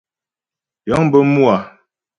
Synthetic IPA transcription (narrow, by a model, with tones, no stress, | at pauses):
jɔ˨˦ŋ˦bə˦mu˦a˨